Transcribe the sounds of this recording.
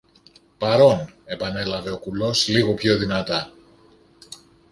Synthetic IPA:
pɐɾo̞ne̞pɐne̞lɐve̞o̞kulo̞sliɣo̞pço̞ðinɐt̪ɐ

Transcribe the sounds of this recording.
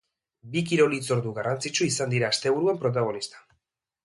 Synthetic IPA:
bikiɾo̞lit͡so̞ɾðuɣarant͡sit͡ʃuisand̪iɾaːst̪e̞βuɾuempɾo̞t̪̬aɣo̞nist̪ḁ

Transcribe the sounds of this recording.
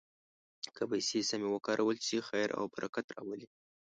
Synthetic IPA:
kəpajsesamewəkɑɾʔawəlsixajɾʔa̰wbaɾʔakat̪ɾɑ̰wəli

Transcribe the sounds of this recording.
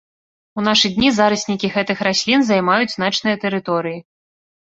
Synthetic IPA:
un̪aʂɨd̪ʲnʲizaɾɐsʲnʲikʲiɣɛt̪ɨxɾasʲlʲinzajmajud͡zʲznat͡ʂnɨjɐt̪ɛɾɨt̪ɔɾɨji

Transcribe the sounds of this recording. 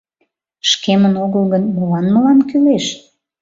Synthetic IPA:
ʃkemənoɣəlɣənməlɑnməlɑnkyleʃ

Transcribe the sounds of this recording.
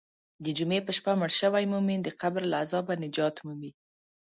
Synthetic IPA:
d̪əd͡ʒumepəʃpaməɽʃəwajmumind̪əqabɾlaazɑbanɪd͡ʒɑt̪mumi

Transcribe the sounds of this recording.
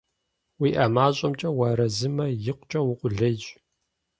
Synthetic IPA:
wiːʔɐmaːɕʼɐmt͡ʃʼɐwɐːɾɐzɨmɐjɪqʷʊt͡ʃʼɐwʊqʷʼʊɮɐd͡ʒʼ

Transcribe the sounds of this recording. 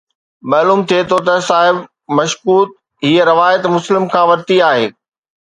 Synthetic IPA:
mɐːluːmt̪ʰiet̪ʰot̪ɐsaːɦɪb | mɐʃkuːt̪̚ | ɦiːəɾɐʋaːjət̪mʊslɪmkʰãːʋɐɾt̪iaːɦeː

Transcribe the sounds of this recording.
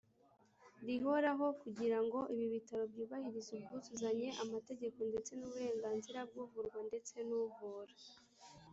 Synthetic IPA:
ɾiɦo̞ɾaɦo̞kuɟiɾaŋɡo̞ʔiβiβitaɾo̞bjuːβahiɾizub̚ɡuzuzaɲe̞ʔamate̞ɟe̞ko̞nde̞t͡se̞nuβuɾe̞ːŋɡaːnziɾab̚ɡuvuɾɡwande̞t͡se̞nuvuɾa

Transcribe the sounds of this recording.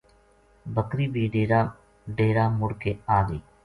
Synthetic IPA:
bəkɾiːbʱiːɖɾ | ɖeːɾaːmʊɽkeːaːɡəː

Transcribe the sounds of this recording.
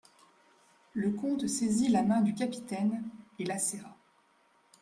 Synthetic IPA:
ləkɔ̃t̪sezilamɛ̃d̪ykʲapi̥t̪ɛnelasɛʁa

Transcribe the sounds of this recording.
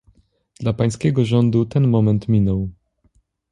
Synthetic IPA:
d̪̥lapaj̃skʲɛɡɔʐɔnd̪ut̪ɛnmɔmɛnt̪mʲinɔw

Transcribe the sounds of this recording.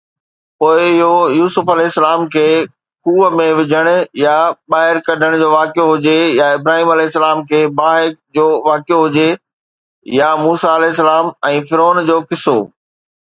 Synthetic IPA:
poːɪɪɦojuːsʊfɐlɛɪsːəlaːmkʰeː | kuːmẽʋɪd͡ʑʱəɽ̃ʊ̆jaɓaːɦɪɾkɐɖʱəɽ̃d͡ʑoːʋaːkjoɦʊd͡ʑejaɪbɾaːɦiːmɐlɛːɪsːəlaːmkʰeːbaːɦɪd͡ʑoːʋaːkɪjoɦʊd͡ʑe | jamuːsaɐlɛɪs̬ːəlaːmɛ̃ːfɪɾoːnd͡ʑoːkɪso̰ː

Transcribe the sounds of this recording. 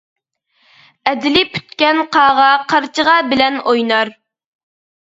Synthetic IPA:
ɛd̪ɪlɪpʰy̥t̪kʲɛnqʰɑːʁɑqʰɑɾt͡ʃʰəʁɑbɪlɛnojnɑɾ

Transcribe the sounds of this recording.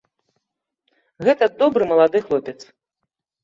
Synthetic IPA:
ɣɛt̪ɐd̪ɔbɾɨmɐlˠad̪ɨxlˠɔpʲɛt̪s

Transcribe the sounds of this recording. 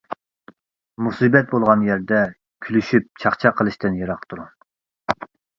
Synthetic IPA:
musɨbɛt̪̚bolˠʁɑnjæɾd̪ɛ | kʲʰylyʃyp̚t͡ʃʰɑχt͡ʃʰɑqʰəlˠɨʃt̪ɨnjɑɾɑqt̪ʰuɾu

